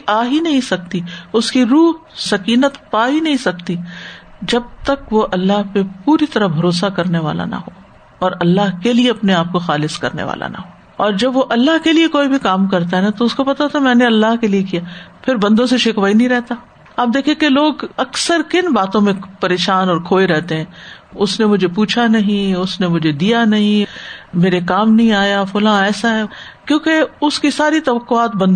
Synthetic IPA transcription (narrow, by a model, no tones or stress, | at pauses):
ʔaːɦinɐɦĩsɐk̚t̪iʊskiɾuːɦsɐkiːnət̪paːɦinɐɦĩsɐkt̪id͡ʒɐb̚t̪ɐkʋoʔɐlːaɦpepuːɾit̪ɐɾəɦbʱɐɾoːs̬akɐɾneʋa̰ːla̰nɐ̰ɦoː | ɔːɾɐlːaɦkelieɐpneaːp̚koxaːlɪskɐɾnḛʋa̰ːlʔa̰na̰ɦoː | ɔːɾd͡ʒɐbʋoʔɐlːaɦkeliekoːibʱikaːmkɐɾt̪aɦɛnat̪oʊskopɐt̪at̪ʰamɛ̃ːneɐlːaɦkeliekijapʰɪɾbɐ̃nd̪õseʃɪkʋaːinɐɦĩɾɛɦt̪a | aːp̚d̪eːkʰiekeloːɡɐksəɾkɪnbaːt̪õmẽpɐɾeːʃaːnɔːɾkʰoːeɾɛɦt̪eɦɛ̃ː | ʊsnemʊd͡ʒʱepuːt͡ʃʰanɐɦĩʊsnemʊd͡ʒʱed̪ijanɐɦĩmeːɾekaːmnɐɦĩaːjafʊːlãɛːsaɦɛ | kjõːkeʊskisaːɾit̪ɐʋɐqːʊaːt̪̚bɐ̃nd̪